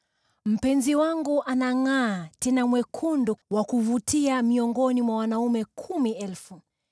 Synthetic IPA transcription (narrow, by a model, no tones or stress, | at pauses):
m̩pɛnziwaŋɡuʔanaŋaːtɛnamwɛkʰunduwakuvutiamiɔŋɡɔnimwawanaumɛkʰumiɛlfu